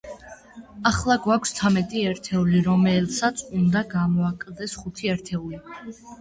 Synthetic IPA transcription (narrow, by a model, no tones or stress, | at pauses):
aχlˠaɡwakʷʰst̪sʰamɛt̪ʼiɛɾt̪ʰɛuliɾɔmɛlsat̪sʰund̪aɡamɔakʼld̪ɛsχut̪ʰiɛɾt̪ʰɛuli